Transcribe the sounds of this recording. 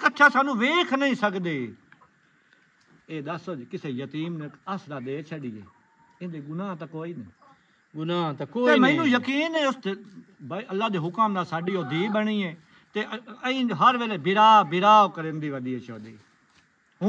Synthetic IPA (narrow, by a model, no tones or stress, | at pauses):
kətːʃʰaːsaːnũːʋeːkʰnəĩːsəkd̪eː | eːd̪əsoːd͡ʒiːkɪseːjət̪iːmnẽəsd̪aːd̪eːt͡ʃʰəɖiːḛː | ẽːd̪eːɡʊnãːt̪aːkoːiːneː | ɡʊnãːt̪akoːt̪ẽːmɛ̃ːnũːjəkiːnɛːʊst̪eːbəlːaːd̪eːɦʊkmnaːsaːɖiːoːd̪iːbəɳiːɛ̃ː | t̪eːəĩːɦəɾʋeːlɛːbɪɾaːbɪɾaːʋkəɾẽːnd̪eːʋəd̪iːeːt͡ʃʰəːd̪eː